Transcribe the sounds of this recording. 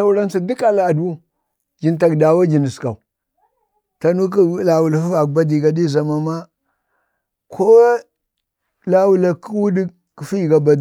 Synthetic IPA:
a˦u˦ɾa˦nsa˨di˦ka˦la˨a˨du˦ | d͡ʒi˨nta˨kda˨wa˦d͡ʒi˨ni˨ska̰˨u˨ | ta˦nu˦k̬i˦la˨wu˨la˨fu˦a˨k̚ba˦di˨ɡa˨di˦˨za˨ma˨ma˦ | kʰo˦ | la˦wu˨la˨ki˦wu˦di˦ | ki˨fi˦ji˨ɡa˨ba˨d

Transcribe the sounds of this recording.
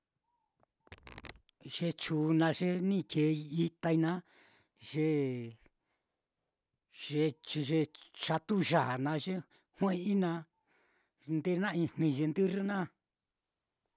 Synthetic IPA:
ʐ̥e˧t͡ʃuː˨˧nã˧ʐe˦nĩ˦˨kʰe˨˧i˧i˦t̪a˧i˧nã˦ | ʒe˧ | ʐe˧ʒe˧t͡ʃa˧t̪u˦ʒa˨nã˧ʒe˦ | hw̃ẽ˦i˦nã˧ | nd̪e˦nã˦˧ĩ˧n̥nĩ˧ʒe˧nd̪ɨ˦ri˦nã˦

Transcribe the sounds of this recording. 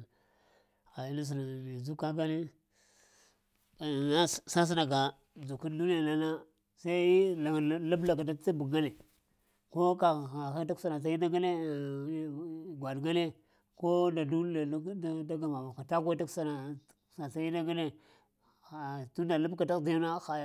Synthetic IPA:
ɣa˨ji˦na˦s̬i˨na˨i˨zu˦ka˦ɡa˦ne˦˨ | na˦sa˦s̬i˦na˨ɡa˨ | d͡zu˨ku˦ndu˦ni˦ja˨na˦na˦ | sa˦i˦i˦a˨˦lu˦bla˨ka˨da˦i˦bu˨ɡa˦ne˨ | ko˦ka˨a˨xa˦ta˦ksa˦na˨s̬a˦i˦na˦ɡa˦ne˦˨˦ | ɡʷa˨dɡa˦ne˦ | ko˦da˨du˦˨˦da˦ɡa˨ma˨a˨xa˨ta˦kʷa˦ta˦ksa˦na˨ | sa˨sa˦i˦na˦ɡa˦ne˦˨ | tu˦nda˨lu˦bka˨ta˦˨da˦na˦xa˨j

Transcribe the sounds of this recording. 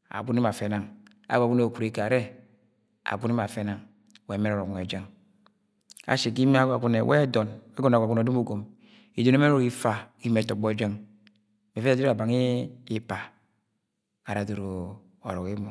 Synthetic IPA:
a̰˨ɡu˦ni˦ma˨fe˦na˨ŋ | a̰˨˦ɡʷɡu˦ne˨o˨ku˨ɾi˦ka˨ɾe˦ | a̰˨ɡu˦ne˦ma˨fe˦na˨ŋ | we˦˨˦me˦ɾo˦˨ɾo˨ke˨d͡ʒe˦ŋ | a̰˨ʃe˨k̬i˦me˦a˦ɡa˨ɡu˦nḛ˨wʔḛ˦do˨ne˦ɡo˨na˨ɡʷa˨ɡu˦n˨o˨do˦mu˦ɡo˨m | i˨do˨ne˦me˦ɾo˨˦i˦fa˦ki˦m˦e˨to˨ɡ͡bo˦e˦d͡ʒe˦ŋ | me˨fe˦a˦o˦ɾa˨ba˨ŋi˦i˦pa˨ | a˨ɾa˨do˨ɾo˨ | o̰˨ɾo˨ki˦mo˨

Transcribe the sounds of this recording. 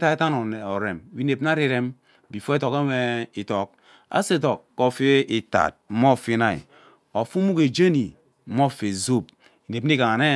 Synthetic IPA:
ta˦e˦ta˦no˨ne˨o˨ɾe˨m˨wi˦ne˨pn˦a˦ɾi˦ɾe˦m | bi˨fo˦e˦to˨ke˦we˦i˨to˨k̚ | a̰˦se˦˨to˨kːo˦˨fe˦i˨ta̰˨t̩̚˦mo˦˨fi˦na˨ḭ˨ | o˨fu˦mu˦ke˨d͡ʒe˦ni˨˦ | mo˦˨fe˨zo˦˨p̚ | i˨ne˨pn˦i˦ka˨ŋa˨ne˦

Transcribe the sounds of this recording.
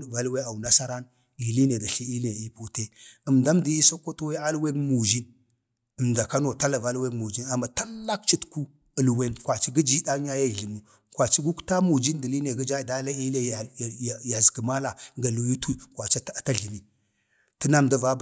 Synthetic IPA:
va˨˦lwe˦a˨u˨na˦sa˦ɾa˦n | ɡi˨li˦ne˨da˨ɬi˦i˦le˨i˦pu˨te˦ə˨mda˦mdi˦i˦so˦ko˦to˦we˦a˦lwe˦nmu˨d͡ʒi˦n | ə˨mda˨ka˦no˨ta˦la˨va˦lwe˦mu˨d͡ʒi˦na˨ma˨ta˦lla˦k̚t͡ʃi˦tku˦ | ə˨lwe˦nkʷwa˨t͡ʃi˦ɡi˦d͡ʒi˦da˦ɲa˦ja˦i˨ɮi˨mu˨ | kwa˨t͡ʃi˦ɡu˦kta˦mu˨d͡ʒi˦ndi˨li˦ne˨ɡə˦d͡ʒa˦˨da˦la˦i˦le˦˨ja˨zɡə˨ma˦la˨ŋɡa˨lu˨ju˦tu˦kwa˨t͡ʃa˦˨ta˦ɮi˨mi˨ | tə˦na˦mda˦va˦b

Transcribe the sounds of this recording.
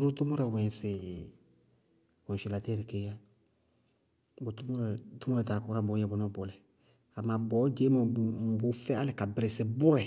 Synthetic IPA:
ɾu˦tu˦mo˦ɾɛ˨wɛ̃˨sɪ˨ | kɔ̃˨n˨ʃi˨la˨tɛ˦ɾi˨ke˦ja˦ | bu˨tu˦m˦ɾɛ˨tu˦mɔ˦ɾɛ˨ta˨kɔ˦ka˦bʊ˨˦ɛ˦bʊ˨nɔ˦bo˨lɛ˨ | a˨ma˨bɔ˨˦d͡ʒe˦mɔ˨bu˨˦fɛ˦a˦lɪ˨ka˨bɾɪ˨sɪ˨bʊ˦ɾɛ˨

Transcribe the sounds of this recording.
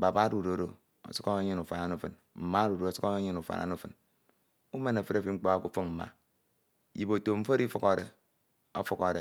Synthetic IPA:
ba˨ba˦ɾu˨ɾo˨ɾo˨ | o̰˨su̥˦ko˦e˦ɲi˦nu˨fa˨na˨nu˦˨fɨ˨n | m̩˨ma˦ɾu˨ɾo˨o˨su˦ko˦e˦ɲi˦nu˨fa̰˨nʔa̰˨˦nu˦˨fɨ˨n | u˦me˦na˨fɨ˦ɾa˦˨fi˦ŋ͡m̩˦k͡pa˦a˦˨ku˦fɨ˦ŋm̩˨ma̰˨ | ji˨bo˨to˨m̩˦fo˦ɾi˦fu˦ko˦˨ɾḛ˨ | o˦fu˦ko˨ɾe˨

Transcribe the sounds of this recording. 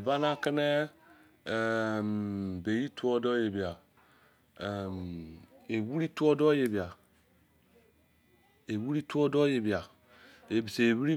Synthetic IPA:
e˨ba˦na˦ke˦nɛ˦˨ | mbe˨ji˦tu˦ɔ˦dɔ˦je˨bi˨a˨ | ɛ˨m | e˨wu˦ɾi˦tu˦ɔ˦dɔ˦je˨bi˨a˨ | e˨wu˦ɾi˦tu˦ɔ˦dɔ˦je˨bi˨a˨ | e˨bi˨seː˨wu˦ɾi˦

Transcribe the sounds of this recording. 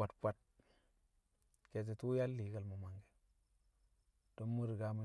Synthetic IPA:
a˨tpʷa˨t̚ | ke˨t̬e˨tu˦ja˦lːiː˨˦kə˨lmo˨ma˨ŋɡe˨ | d̥o˦nmu˦ɾi˨ɡa˦ma˨

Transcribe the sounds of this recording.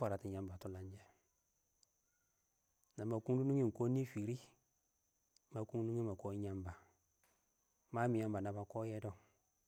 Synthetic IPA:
a˨ɾa˨ti˨ɲa˦mba˨tu˦la˦ɲd͡ʒe˨ | na˨ma˨ku˦du˦nu˦ŋi˦ŋ˨ko˦ni˦fi˨ɾi˦ | ma˨ku˦ŋ˦du˦ŋi˦ma˨ko˦ɲa˦mba˨ | ma˦mi˨ja˦mba˨na˨ba˨ko˦jɛ˦do˦˨

